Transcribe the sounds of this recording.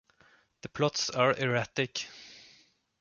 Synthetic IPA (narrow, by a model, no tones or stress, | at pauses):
ðəpʰlɔt̪saɹʔɛɹæt̪ɪk